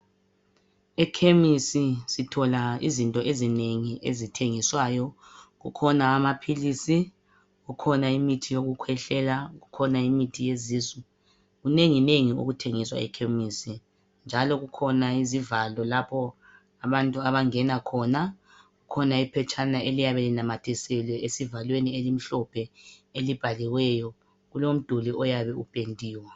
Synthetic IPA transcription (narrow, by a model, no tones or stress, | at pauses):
ɛkʰemisisitʰɔlaḭzintʼɔʔezineŋiʔezitʰeŋiswajɔɣukʰɔnaːmapʰilisi | ɣukʰɔnaimitʰijoɣukʰwɛɬɛlaɣukʰɔnaimitʰijezizwɛ | ɣuneŋineŋio̰ɣutʰeŋiswa̰ɛ̰kʰemisi | nd͡ʒʱalɔɣukʰɔnaizivalɔlapʰɔ | aβantʼuaβaŋɛnakʰɔna | ɣukʰɔnaipʰɛt͡ʃʼanaelijaβɛlinamatʰɛsɛlwɛesivalwenielim̩ɬɔpʰɛelib̥ʱaliwɛjɔ | ɣulom̩d̥ʱuliɔjaβɛupʼentʼiːwa